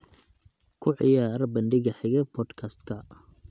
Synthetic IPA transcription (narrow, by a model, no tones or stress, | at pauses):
kʰʊʕɪ̰jaːɾɐbɐnɖɪɣɐħɪɣɛpʰɔd̪kʰɐst̪kʰɐ